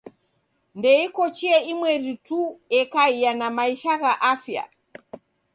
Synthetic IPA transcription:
ndɛikɔt͡ʃiɛimwɛɾituɛkaijanamaiʃaɣaʔafja̰

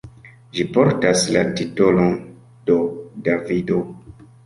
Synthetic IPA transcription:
ʒipoɾtaslatitolon | d̥odavido

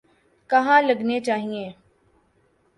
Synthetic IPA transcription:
kɐɦãlɐɡnet͡ʃaːɦieː

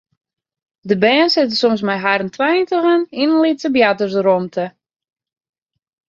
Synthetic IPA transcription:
dəbɛːnsɪtəsomsmɛjɦaɾəntʰwajntəɣəninənlitsəbjatərsromtʰə

